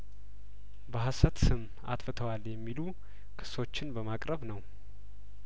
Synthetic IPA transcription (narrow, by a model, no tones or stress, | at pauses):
bəɦasət̪sɨm | a̰t̪ʼfɨt̪ʰəwaljɛmːilu | kʰɨ̥so̞t͡ʃːɪnbəmakʼɾəβnəw